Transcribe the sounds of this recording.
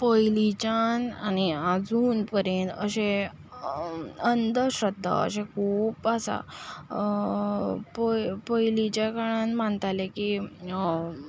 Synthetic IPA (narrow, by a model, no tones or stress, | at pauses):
pɔjlit͡ɕananiad͡zuːnpəɾjent̪ə̰ɕe | ənd̪ʱəɕɾəd̪ʱːa̰ə̰ɕẽkʰuːpəsa̰ | popəjlit͡ɕakaãnm̤aɳt̪aleki